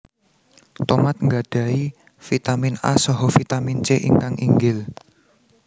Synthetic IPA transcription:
t̪omat̪̚ŋɡaɖ̥ä̤i | fit̪amina̰sɔɦɔfit̪amint͡ʃeʔḭŋkaŋḭŋɡɪl

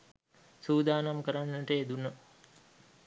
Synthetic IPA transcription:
suːd̪aːnamkəɾanːəʈəed̪unə

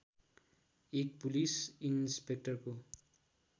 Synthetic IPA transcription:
ek̚pulisinspek̚ʈʌrko

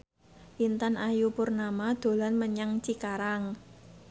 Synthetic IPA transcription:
ʔint̪anʔajupʊrnamad̪̥o̤lanməɲaŋt͡ʃikaɾaŋ

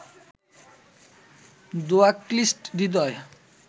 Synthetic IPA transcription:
d̪oaklisʈd̪id̪̬ɔe

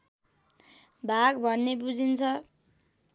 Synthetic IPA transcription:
bʱaɡbʱʌnːebud͡zint͡sʰʌ

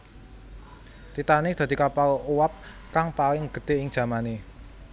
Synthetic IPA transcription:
t̪it̪anɪk̚d̪̥a̤d̪̥i̤kapalʔuwap̚ | kaŋpalɪŋɡ̥ə̤d̪̥eɪŋd̥ʒ̥a̤mane

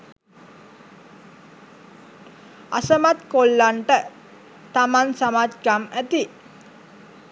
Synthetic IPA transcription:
a̰səmat̪kolːaɳʈə | t̪amansamat̪ɡamæt̪i

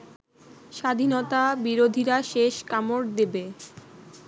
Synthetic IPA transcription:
ʃad̪ʱinot̪abiɾod̪ʱiɾaʃeʃkamoɾd̪ebe

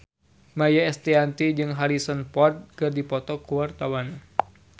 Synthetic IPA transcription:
majaɛst̪iant̪id͡ʒɨŋɦaɾisənpɔrt̪̚kɨrdipɔt̪ɔkuwart̪awan

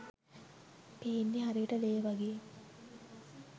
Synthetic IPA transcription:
peːnːiɦaɾiʋiʈəleːəʋaɡeː

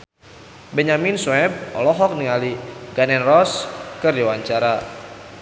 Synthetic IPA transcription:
bəɲaminswɛb̚ɔ̰lɔɦɔk̚niŋaliɡanɛnrɔskɨrdiwaɲt͡ʃaɾa

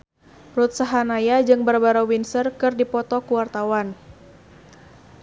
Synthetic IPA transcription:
rut̪̚saɦanajad͡ʒɨŋbərbaɾawinsərkɨrdipɔt̪ɔkuwart̪awan

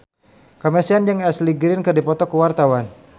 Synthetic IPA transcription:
kamɛsiand͡ʒəŋɛsliɡɾɪnkədipɔt̪ɔkəwart̪awan

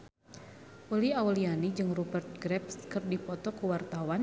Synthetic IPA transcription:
ʔuliaulianid͡ʒɨŋrubərt̪̚ɡɾɛpskɨrdipɔt̪ɔkuwart̪awan

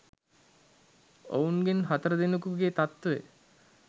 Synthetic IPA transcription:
o̰unɡenɦat̪əɾəd̪enukuɡeːt̪at̪ːḛ

